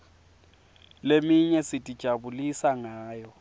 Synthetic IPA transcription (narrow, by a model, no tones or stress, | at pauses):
lemiɲɛsɪtʼid̥ʒ̥ʱabulisaŋaːjɔ